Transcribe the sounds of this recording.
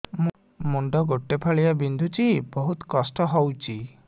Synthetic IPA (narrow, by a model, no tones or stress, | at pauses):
m | muɳɖɔɡoʈːepʰaɭiabind̪ʱut͡ʃibɔɦut̪ɔkɔsʈɔɦɔwt͡ʃʰi